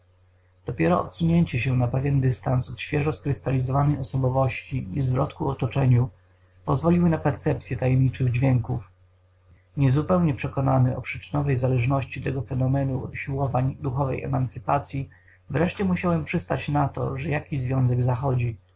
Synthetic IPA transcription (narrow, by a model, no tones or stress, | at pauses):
d̪̥ɔpʲjɛɾɔɔ̰t̪suɲeɲt͡ɕɛɕɛnapɛvʲjɛnd̪ɘst̪ansɔt̪ɕfʲjɛʐɔskɾɘst̪alʲizɔvanɛjɔsɔbɔvɔɕt͡ɕiizvɾɔt̪kuɔt̪ɔt͡ʂɛɲu | pɔzvɔlʲiwɘnapɛɾt̪sɛp̚t̪sʲjɛt̪ajɛmɲit͡ʂɘɣd͡ʑvʲjɛŋkuf | ɲɛzupɛwɲɛpʂɛkɔnanɘɔ̰pʂɘ̥t͡ʂɘ̥nɔvɛjzalɛʐnɔɕt͡ɕit̪ɛɡɔfɛnɔmɛnuuɕiwɔvaɲd̪uxɔvɛ̰jɛ̰mant̪sɘpat̪sʲji | vɾɛʂt͡ɕɛmuɕawɛmpʂɘst̪at͡ɕnat̪ɔ̰ʐɛjakʲiʑzvʲjɔ̃w̃zɛɡzaxɔd͡ʑi